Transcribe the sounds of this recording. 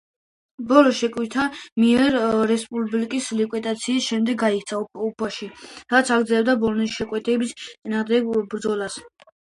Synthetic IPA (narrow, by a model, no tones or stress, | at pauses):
bɔlɔʃɛkʼwit̪ʰamiɛɾːɛspʼublikʼislikʼwid̪ʼat̪sʰiːsʃɛmd̪ɛɡɡaikʰt̪sʰaupʰaʃiɾat̪sʰaɡɾd̪zɛlɛbd̪abɔlɔnisʃɛkʼwɛt̪ʰɛbist̪sʼinaʁd̪ɛɡbɾd̪zɔlas